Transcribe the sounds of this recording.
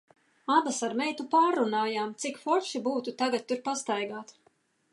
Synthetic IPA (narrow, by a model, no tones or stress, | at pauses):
abasaɾmɛjt̪upaːɾːunaːjaːmt̪sikfɔɾʃibuːt̪ut̪aɡat̪̚ʲːuɾpast̪ajɡaːt̪